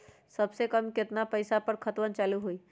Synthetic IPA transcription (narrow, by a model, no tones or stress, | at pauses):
sɐbsekɐmkɪt̪napɐɪsapəɾkʰɐt̪wənt͡ʃaːluɦuiː